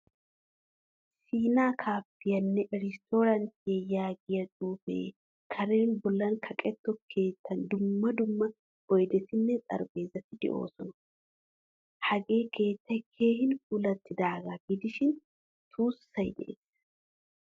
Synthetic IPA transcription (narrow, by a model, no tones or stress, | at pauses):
siːnaːkʰaːpːɪjɐnːɛɾɪst̪ʰoːɾɐnt̪ɪjɛjaːɡɪjɐd̪uːfḛː | kʰɐɾeːnbɔlːɐnkʰɐkʼɛt̪ːɔkʰe̞ːt̪ːɐnd̪ʊmːɐd̪ʊmːɐ | ɔjd̪ɛt̪ɪnːɛt͡sʼɐ̰ɾbe̞ːzɐt̪ɪd̪ɛ̰ʔo̞̰ːsɔnɐ | hɐɡe̞ːkʰe̞ːt̪ːɐjkʰe̞ːhɪnʊlɐt̪ːɪd̪aːɡaɡɪd̪ɪʃɪn | t̪ʰuːsːɐjd̪ɛ̰ʔḛːs